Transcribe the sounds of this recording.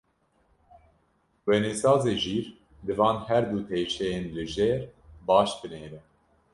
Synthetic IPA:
wɛnesɑːzeːʒiːɾ | d̪ɨvɑːnhæɾd̪uːt̪ʰeːʃɛjeːnlɨʒeːɾbɑːʃt̪ɨneːɾɛ

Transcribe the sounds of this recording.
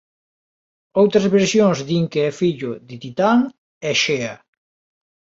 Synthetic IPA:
owt̪ɾɐzβeɾsjoŋzðiŋkeɛfiʎʊðɪt̪it̪aŋ | ɛʃeɐ

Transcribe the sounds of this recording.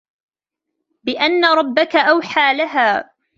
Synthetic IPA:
bɪʔanːaɾˤɑbːakaʔawħaːlaɦaː

